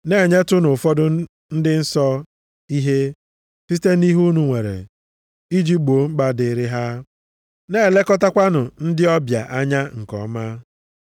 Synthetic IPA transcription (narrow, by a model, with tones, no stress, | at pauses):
ne˦˨ɲe˦tʊ˦nʊ˨fɔ˦dʊ˦ | n̩˦dɪ˦n̩˦sɔ˦ | i˦ɦe˦ | si˦te˦ni˦ɦu˦nu˦ŋʷe˨ɾḛ˨ | i˦d͡ʒi˦k͡po˨˦ŋ͡m̩˦ɡ͡ba˦dɪ˨˦ɾɪ˦ɦa˦ | ne˦˨le˦kɔ˦ta˦kʷa˦nʊ˨n̩˦dɪ˦ɔ˦bja̰˨ʔa˦ɲa˦ŋ̩˨kɔ̰˦ma˦